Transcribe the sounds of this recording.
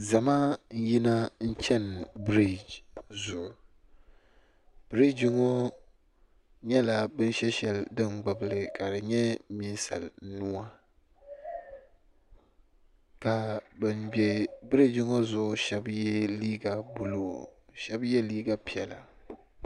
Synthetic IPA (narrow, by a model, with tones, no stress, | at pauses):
za˨ma˦n̩˦ji˦na˦n̩˦t͡ʃɛ˦nbɾi˦˨d͡ʒzʊ˨ʔʊ˨ | b̥ɾi˦d͡ʒɪ˦ŋo˦ | ɲɛ˦la˨bɨ˦n˦ʃɛ˦ʃɛ˨ldɨ˦nɡ͡ba˨bɨ˦lɨ˨ka˨dɨ˨ɲɛ˦mi˦n˦sa̰˨lnʊ˦a˦ | ka˨bɨ˦mbɛ˦bɾi˦d͡ʒɪ˦ŋo˦zʊ˦ʔʊ˦ʃɛ˦bjɛ˦liː˦ɡa˨bu˨lo˦˨ʃɛ˦bjɛ˦liː˦ɡa˨pi˨ɛ˨la̰˨